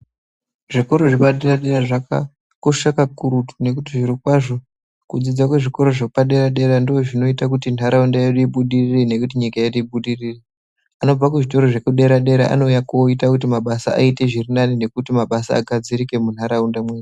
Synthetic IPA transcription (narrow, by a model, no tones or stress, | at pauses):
ʐiko̞ɾo̞ʐipaɗeraɗeɾaʐaka̰ | koʂakakuɾutu̥ne̞kutiʐiɾikwaʐo̞ | kud͡zid͡zakweʐiko̞ɾo̞ʐepaɗe̞ɾaɗe̞ɾandooʐino̞itak̬utin̤aɾaundajeɗuiɓuɗirirene̞kut̬iɲikajeɗuiɓuɗiriːre | ano̞b͡vak̬uʐito̞ɾo̞ʐe̞kuɗe̞ɾaɗe̞ɾa̰ʔa̰no̞jakoitakut̬imaɓasaa̰ite̞ʐirinanine̞kutimaɓasa̰ːɡʱad͡zirike̞mun̤ɦaɾaundamweɗu